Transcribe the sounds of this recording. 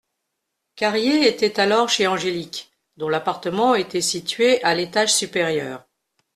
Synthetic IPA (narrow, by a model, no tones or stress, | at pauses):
kaʁjeet̪ɛt̪alɔʁʃeɑ̃ʒelik | d̪ɔ̃lapaʁt̪əmɑ̃et̪ɛsit̪ɥeʔalet̪aʒsypeʁjœːʁ